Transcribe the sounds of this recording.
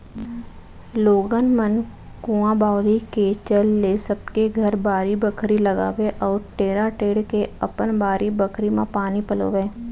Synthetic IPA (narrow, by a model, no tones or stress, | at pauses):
loːɡənmən | kũːãbaːʊliket͡ʃəlːesəbkeɡʱəɾbaːɾibəkʰɾiləɡa̰ːʋeʔɔːɾʈeːɾaʈeːɽkeɐpənbaːɾʔibəkʰɾimãpaːnipəlo̰ːʋeː